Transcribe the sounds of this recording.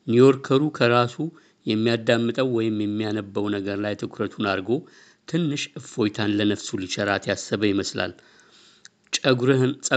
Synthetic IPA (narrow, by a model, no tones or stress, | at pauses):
nijo̞ɾkʰəɾukʰəɾasu | jɛmːijad̪amːɨt̪ʼəwːɔjɪmjɛmːijanəbːəwnəɡəɾlajt̪ʰɨkʰɾət̪ʰunaɾɡo̞ | t̪ʰɨnːɨʃʔɨfo̞jt̪ʰanlənəfsulit͡ʃʰɛɾat̪ʰjasːəβəjɪməsla̰l | t͡ʃʼəɾsʼə